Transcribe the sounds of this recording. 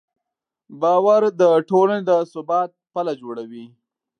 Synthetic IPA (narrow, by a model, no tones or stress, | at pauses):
bɑːwaɾd̪əʈolaned̪əsʊbɑːt̪̚palad͡ʒoɽawi